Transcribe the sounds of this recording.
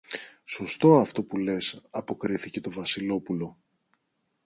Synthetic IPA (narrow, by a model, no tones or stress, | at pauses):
so̞st̪o̞ɐft̪o̞pule̞sɐpo̞kɾiθice̞t̪o̞vɐsilo̞pulo̞